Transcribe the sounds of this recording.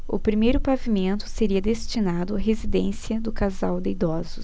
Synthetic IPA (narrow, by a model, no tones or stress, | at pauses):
ʊ̰pɾimejɾʊpavimẽnt̪ʊ̥seɾiɐd̪est͡ʃinad̪ʊɐɦezid̪ẽsiɐd̪ʊkazawd̪ɪid̪ɔzʊs